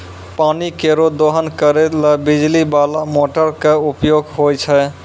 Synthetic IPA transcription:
panikeɾod̪oɦənkəɾeləbid͡ʒlibalamoʈəɾkeupjoɡɦojt͡ʃʰɛ

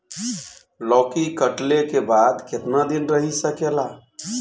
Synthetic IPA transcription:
lɔːkikəʈlekebaːd̪kɪt̪nad̪inɾəɦisəkela

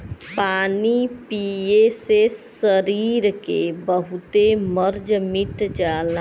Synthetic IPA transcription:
paːnipiesesːəɾiɾkebəɦut̪eməɾd͡ʒmiʈd͡ʒala

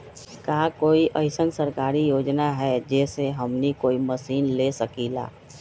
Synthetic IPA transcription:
kaːkoːiʔəɪsənsəɾkaːɾijoːd͡ʒnaɦɛd͡ʒɛːseɦɐmnikoːiməsiːnleːsəkiːla̰ː

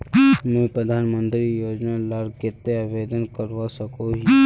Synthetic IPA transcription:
mɛ̃pɾəd̪ʱaːnmə̃nt̪ɾijoːd͡ʒnalaɾket̪ːeaʋed̪ənkəɾʋasəkoɦi

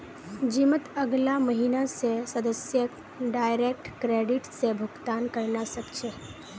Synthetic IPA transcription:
d͡ʒimət̪əɡlaməɦinasesəd̪əsjə | ɖaːjɾek̚ʈkɾeɖɪʈsebʱʊɡt̪aːnkəɾnasəkt͡ʃʰe

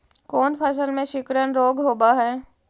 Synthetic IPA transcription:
kɔːnpʰɐs̬əlmẽʃɪkɾənɾoːɡɦoːbaɦɛː

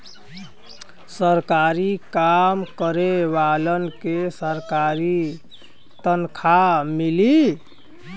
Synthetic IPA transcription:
səɾkaɾikamkəɾebalənkesəɾkaɾi | t̪ənkʰamili

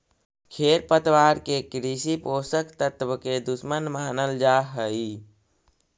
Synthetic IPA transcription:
kʰeːɾpət̪ʋaːɾkekɾisipoːsəkt̪ət̪ʋəked̪ʊsmənmaːnəld͡ʒaːɦəi

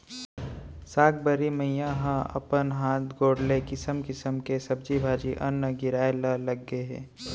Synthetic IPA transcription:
saːk̚bəɾiməjjãɦãɐ̰pənɦaːt̪̚ʰɡoːɽlekɪsəmkɪsəmkesɐb̚d͡ʒibʱaːd͡ʒiʔə̰nːəɡɪɾaːeləlɐɡːeɦɛ̰̃ː

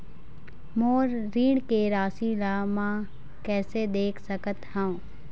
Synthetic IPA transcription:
moːɾːiːɳkeɾaːsilamã | kɛːsed̪eːkʰsəkət̪ɦə̃õː

